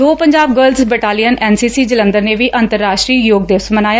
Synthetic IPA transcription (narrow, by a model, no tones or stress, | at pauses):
oːpəɲd͡ʒaːb̚ɡəːlzbɛːʈaːlijənɛːnsiːsiːd͡ʒələ̃nd̪əɾneːʋiːʔənt̪əɾːaːʃʈɾiːjoːɡ̚d̪eːʋəsmənaːjaː